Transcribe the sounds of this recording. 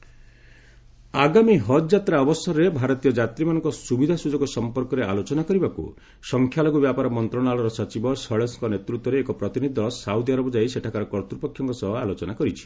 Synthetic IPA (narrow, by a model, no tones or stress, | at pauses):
aɡamiɦɔd̪d͡ʒat̪ɾaɔbɔsɔɾɾebʱaɾɔt̪ijɔd͡ʒat̪ɾimanɔ̃ŋkɔsubid̪ʱasud͡ʒɔɡɔsɔmpɔɾkɔɾealot͡ʃɔnakɔɾibakṵ | sɔŋkʰjaloɡɔbjapaɾɔmɔnt̪ɾɔɽ̃alɔɾɔsɔt͡ʃibɔsɔɭeskɔnet̪ɾut̪wɔɾeːkɔpɾɔt̪inid̪ʱɔɔsawd̪iaɾɔbɔd͡ʒajiseʈʰakaɾɔkɔɾt̪upɔkʰjɔŋkɔsɔɦɔalot͡ʃɔnakɔɾit͡ʃʰi̥